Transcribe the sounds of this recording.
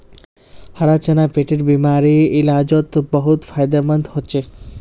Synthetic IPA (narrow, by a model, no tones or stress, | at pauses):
haɾat͡ɕenapeʈeɾbimaɾiilad͡ʑot̪bɔɦut̪fajd̪amand̪ɦotːɕʰe